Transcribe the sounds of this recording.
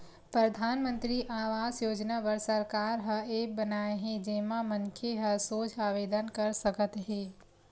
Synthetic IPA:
pɾəd̪ʱaːnmə̃nt̪ɾiʔaːʋaːzjoːd͡ʒnaːʋəɾsəɾkaːɾɦəeːbənaːeɦed͡ʒeːmãməŋkʰeɦəsoːt͡ʃʰaːʋeːd̪ənkəɾsəkət̪ɦeː

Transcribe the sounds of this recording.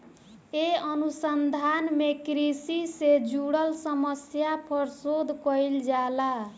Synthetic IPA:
eʌnusʌnd̪ʱanmekɾisised͡ʒuɽʌlsʌmʌsjapʰʌɾsod̪kʌjld͡ʒala

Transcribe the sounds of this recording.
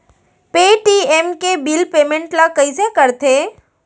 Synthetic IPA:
peʈiemkebilpeːmẽɳʈlakəisekəɾt̪ʰe

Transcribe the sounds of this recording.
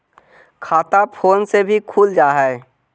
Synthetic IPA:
kʰaːt̪apʰoːnsebʱikʰuːld͡ʒaːɦɛː

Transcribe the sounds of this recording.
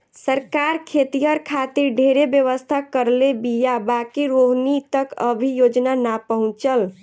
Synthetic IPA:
səɾkaɾkʰet̪ijəɾkʰat̪iɾɖʱeɾebjəʋəst̪ʰakəɾlebijabakiɾoɦnit̪əkəbʱijod͡ʒnanapəɦũt͡ʃəl

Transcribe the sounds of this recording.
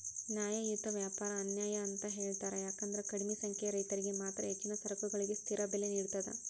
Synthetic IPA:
njaːjɐjut̪ːɐʋjaːpaːɾɐːnjaːjɐːnt̪ɐɦeːɭt̪aːɾejaːkɐnd̪ɐɾekɐɽimisɐŋkʰɛjɐɾɐjt̪ɐɾiɡe̞maːt̪ɾɐɦet͡ʃːinɐsɐɾɐkuɡɐɭiɡest̪ʰiɾɐbelːeniːɽut̪ɐd̪ḛ

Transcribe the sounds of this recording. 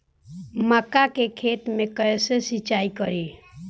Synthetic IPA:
məkːakekʰet̪mẽkəsesit͡ʃaikəɾi

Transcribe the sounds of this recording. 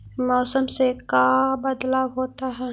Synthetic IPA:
mɔːsəmsekabəd̪laːwɦoːt̪aɦɛ

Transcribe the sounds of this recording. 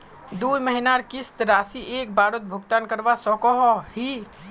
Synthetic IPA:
d̪uiməɦinaɾkɪst̪ɾaːsiʔeːk̚baːɾət̪̚bʱʊɡt̪ankəɾʋasɔkɔɦɔhi

